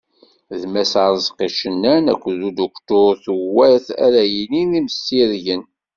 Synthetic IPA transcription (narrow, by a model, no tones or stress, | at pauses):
ðmæsaɾˤzˤqiʃənːænæ̰kʷːðud̪okt̪ʊɾθəwæθæ̰ɾæjəniniməsːiɾʝən